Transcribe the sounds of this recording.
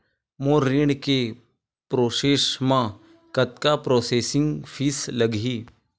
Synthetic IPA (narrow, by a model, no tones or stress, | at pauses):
moɾiɽ̃ke | pɾoːseːʃmã | kɐt̪̚kapɾoːseːsɪŋɡfʰiːsləɡɦiː